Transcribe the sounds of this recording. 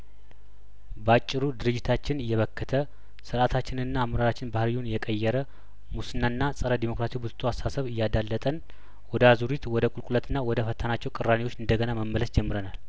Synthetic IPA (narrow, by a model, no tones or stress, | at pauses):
bəat͡ʃʼːɪɾud̪ɨɾɨd͡ʒːɪt̪ʰat͡ʃːɪnɨjːɛβəkːət̪ʰə | sɨɾat̪ʰat͡ʃːɪnɨnːaːmɾaɾat͡ʃːɪnbahɾijunjɛkʼəjːɛɾə | musɨnːanːasʼəɾəd̪imo̞kɾasibuzt̪ʰoasasəβɨjːad̪alːət̪ʼən | wɔd̪əazuɾit̪wɔd̪əkʼulkʼulət̪ʰɨnːawɔd̪əfət̪ʰːanat͡ʃːɛwkʼɨɾanewo̞t͡ʃːɨnd̪əɡənaməmːələsd͡ʒɛmːɨɾənal